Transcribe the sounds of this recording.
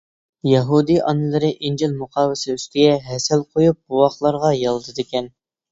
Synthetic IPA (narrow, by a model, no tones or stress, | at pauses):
jɑɦud̪ijʔɑ̰nɨlˠɨɾɨʔind͡ʒilmuqʰɑːwɪsɪyst̪ɪɡʲɛɦɛsɛlˠqʰojup̚buwɑχlˠɑɾʁɑjɑlˠd̪ɨd̪ɪkʲɛn